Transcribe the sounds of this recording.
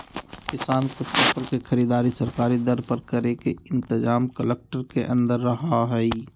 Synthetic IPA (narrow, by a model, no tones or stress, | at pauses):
kɪsaːnkot̪əfəɾkexʰəɾiːd̪aːɾisəɾkaːɾid̪əɾpəɾkəɾekeɪ̃nt̪ɪzaːmkəlek̚ʈəɾkeʔə̰̃nd̪əɾːɐɦaɦɛi